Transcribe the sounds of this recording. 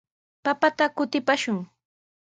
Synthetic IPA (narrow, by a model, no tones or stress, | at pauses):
papat̪akʊt̪ɪpaʃʊŋ